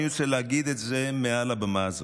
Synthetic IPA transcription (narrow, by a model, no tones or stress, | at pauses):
ut͡seleaɡid̪et̪zemealabemaz